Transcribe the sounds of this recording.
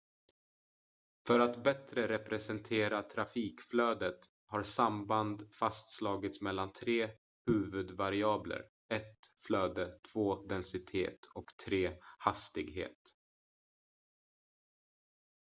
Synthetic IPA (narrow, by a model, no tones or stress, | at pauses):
fœɾat̪bɛt̪ɾəɾɛpɾɛsɛnt̪ʰeːɾat̪ʰɾafiːkflœːd̪ət̪ | haɾsamband̪fast̪slɑːɡɪt̪smɛlːant̪ʰɾeː | hʉ̟ːvɵd̪vaɾɪɑːblə̰ɾ | ɛt̪flœːd̪ət̪ʰv̥oːd̪ɛnsɪt̪ʰḛːt̪ʰɔkt̪ʰɾeːhast̪ɪɡɦḛːt̪